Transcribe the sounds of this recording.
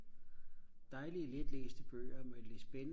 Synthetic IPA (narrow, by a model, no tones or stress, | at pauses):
d̥ɑ̈ɪliəled̥lḛːsd̥əb̥ø̰ːɒmelid̥sb̥enə